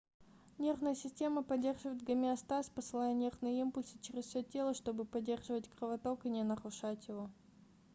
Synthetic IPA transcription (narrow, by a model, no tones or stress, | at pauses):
nʲe̞rvnəjəsʲɪsʲtʲeməpɐdʲːe̞rʐɨvəjɪt̪̚ɡɐmʲɪɐst̪aspəsɨlˠajənʲe̞rvnɨjəimpʊlʲsɨ̥t͡ɕɪɾʲɪssʲotʲːe̞lˠəʂt̪o̞bɨpɐdʲːe̞rʐɨvətʲkɾəvɐt̪okɨnʲɪnəɾʊʂatʲjɪvo